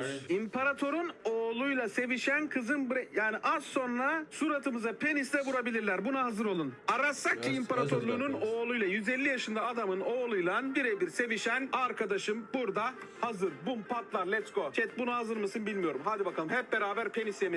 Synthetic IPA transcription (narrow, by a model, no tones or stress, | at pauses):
impʰaɾat̪ʰo̞ɾunoːlˠujlˠase̞viʃænkʰɯzɯnbɾɛjaːniʔazso̞nɾasuɾat̪ʰɯmɯzapʰe̞nist̪ʲɛvuɾabilʲiɾlʲæɾbunaɦazɯɾo̞lˠunaɾasːak̚cʰiimpʰaɾat̪ʰoɾlˠuːnuno̞ːlˠujlˠajyzɛlʲːijaʃɯnd̪aːd̪amɯno̞ːlˠujlˠanbiɾejbiɾse̞viʃænaɾkʰad̪aʃɯmbuɾd̪a | hazɯɾbumpʰat̪lˠaɾlʲɛskot͡ʃʰɛt̪̚bunahazɯɾmɯsɯnbilʲmijo̞ɾumɦad̪ibakʰalˠɯmɦɛp̚be̞ɾaːbæɾpʰe̞nisemi